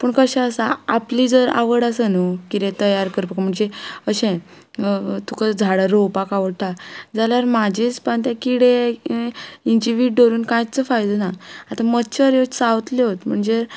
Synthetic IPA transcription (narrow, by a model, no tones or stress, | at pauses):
pəɳkəɕaəsaaplid͡zəɾa̰ʋəɽasənukiɾẽt̪əjaɾkəɾpəkam̤əɳd͡zeəɕɛ̃ | t̪ukad͡zʱaɽaɾowpakaʋəɽʈʰad͡zaljaɾmad͡ʑʱet͡spant̪jãkiɽe | iɲd͡ʑiʋiʈɖoɾuːnkãjt͡səfajd̪ənaːt̪amətːɕʰəɾjosaʋt̪leɦot̪m̤əɳd͡ze